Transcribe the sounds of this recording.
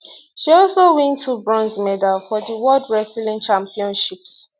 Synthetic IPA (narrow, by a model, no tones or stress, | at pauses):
ʃiɔlsowɛ̃ntʰːubɹɔ̃nzmɛdalfɔðiwɔldɹɛslĩnt͡ʃãmpiɔ̃nʃips